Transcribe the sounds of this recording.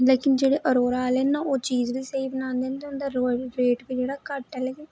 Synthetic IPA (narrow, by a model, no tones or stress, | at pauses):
leːkɪnd͡ʒeːɽeːʔəɾoːɾaːlenːãːoːt͡ʃiːzʋiːseːibənãːnd̪eːnt̪eʊnd̪aːɾeːʈbid͡ʒeːɽaːkəʈːɛlɛːɡeː